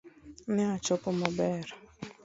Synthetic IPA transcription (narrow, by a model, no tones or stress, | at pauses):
nɪat͡ʃɔpɔmɔbɛɾɔ